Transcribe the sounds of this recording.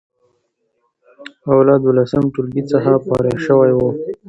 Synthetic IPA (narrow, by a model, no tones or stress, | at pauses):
awlɑd̪wolasəmʈulbit͡səxapɑ̰ɾeʃəwajwo